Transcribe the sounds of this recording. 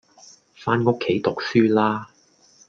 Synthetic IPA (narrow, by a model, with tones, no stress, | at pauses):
faː˥nŋʊ˥kʰːe˨˥jt̪ʊ˨k̚syː˥laː˥